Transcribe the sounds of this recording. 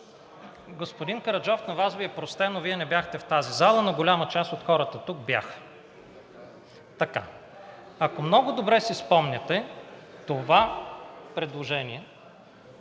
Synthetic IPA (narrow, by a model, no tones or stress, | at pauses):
ɡospod̪inkɐɾɐd͡ʒɔfnɐvazviɛpɾost̪ɛnoviɛnɛbjaxt̪ɛft̪azizalˠənɐɡolʲamət͡ʃast̪ot̪xɔɾət̪ət̪uk̚bja̰xə̥ | t̪ɐka̰ | ɐkomnɔɡʊd̪obɾɛsispɔmnʲɛt̪ɛt̪ovapɾɛd̪lˠoʒɛniɛ